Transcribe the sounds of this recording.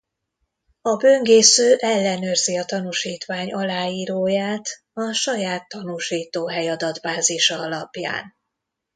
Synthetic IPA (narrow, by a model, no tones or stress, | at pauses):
ɒbøŋɡeːsøːʔɛlːɛnørziɒt̪ɒnuʃiːt̪ʋaːɲɒlaːjiːɾoːjaːt̪ | ɒʃɒjaːt̪ːɒnuʃiːt̪oːɦɛjɒd̪ɒd̪baːziʃɒɒlɒpja̰ːn